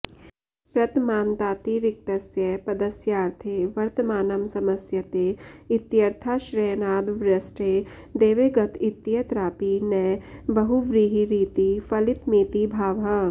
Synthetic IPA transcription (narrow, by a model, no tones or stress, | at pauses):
pɾɐt̪maːnt̪aːt̪iɾɪk̚t̪ɐsjɐpɐd̪ɐsjaːɾt̪ʰeʋɐɾt̪əmaːnɐmsɐmɐsjɐt̪eɪt̪jɐɾt̪ʰaːʃɾeːnaːd̪ʋɾɐsʈe | d̪eːʋeːɡɐt̪ʰɪt̪ːijɐt̪ɾaːpinɛbɐɦuʋɾiɦiɾiːt̪ifɐlɪt̪miːt̪ibʱaːʋɦɐ